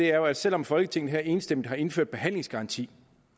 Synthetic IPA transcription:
e̝æɐjoæ̥sel̰ɒ̽mfɒ̽lɡ̥ət͡sʰe̝ŋ̰ð̩ˠɦæɐe̝ːnsd̥emd̩ˠhɑ̈e̝nføɐ̰d̥b̥e̝ɦæn̰le̝ŋsɡ̥ɑ̈ʁɑ̈nt͡sʰḭː

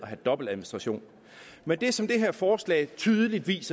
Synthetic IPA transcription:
ɒɦæd̥ɒ̽b̥l̩æðˠminisd̥ʁɑ̈ɕo̝̰ːn | mend̥esɒ̽md̥e̝ɦeɐfɒːslɛ̰ːɪt͡sʰyːðˠəlid̥ʋḭːsɐ

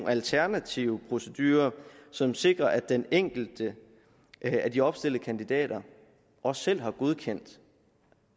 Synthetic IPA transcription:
ælt͡sʰæɐnæt͡sʰiʊəpʰʁo̝səd̥yːɐsɒ̽mse̝ɡ̥ʁɐʔæd̥eneŋ̰ɡ̥l̩d̥ə | æd̥iɒ̽b̥sd̥e̝l̰d̥əkʰænd̥id̥ɛ̰ːɾ̥ɐ | ʔɒ̽sːel̰ɦɑ̈ɡ̥oð̞ˠkʰen̰d̥

